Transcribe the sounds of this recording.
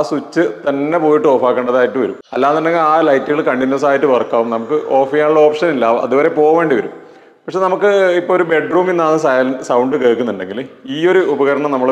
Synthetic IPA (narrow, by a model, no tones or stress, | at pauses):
sut͡ɕːɨt̪ɐnːe̞poːjiʈːɨoːfaːkːeːɳɖɐðaːjitːɨʋɐ̰ɾumɐlːaːnɐnːeŋːɐɭaːlɐjtːɨɣɐɭkɐɳɖinːjoːs̬aːjitːɨʋɐrkːaːʋumnɐmukːɨʔoːfijaːɳuɭːɐo̞ːpʂɐnilːɐɐ̰ðuʋɐɾe̞po̞ːʋe̞ːɳɖiʋɐɾum | pɐkʂenɐmukːɨipːooɾube̞ɖruːmenːaːnɨsɐlsɐwɳɖɨkeːɭkːunːuɳɖe̞ŋɡiliːo̞ɾuubɐɣɐɾɐɳɐmnɐmːɐɭ